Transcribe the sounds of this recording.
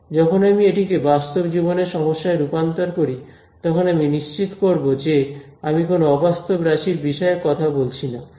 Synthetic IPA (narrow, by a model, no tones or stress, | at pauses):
d͡ʑɔkʰonamieʈikebast̪obd͡ʑiboneɾʃɔmoʃːaeɾupant̪oɾkoɾi | t̪ɔkʰonaminiʃt͡ɕit̪koɾbod͡ʑe | amikonoɔbast̪obɾaʃiɾbiʃɔekɔt̪ʰabolt͡ɕʰina